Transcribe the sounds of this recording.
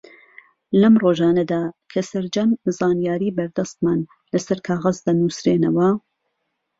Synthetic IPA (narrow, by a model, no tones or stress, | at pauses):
lɐmroːʒɑːnɐd̪aːkʰɐsɐɾd͡ʒɐnzaːnjaːɾiːbɐɾd̪ɐst̪̚maːn | lɐsɐɾkʰaːɣɐzd̪ɐnusɾeːnɐwɐ